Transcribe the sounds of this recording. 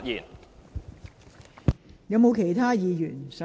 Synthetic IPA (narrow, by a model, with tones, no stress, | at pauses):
t̚jiː˨˩n | jɐ˨˧wmo˨˧wkʰe˨˩jt̪ʰaː˥jiː˨˧jyː˨˩nsɐ˨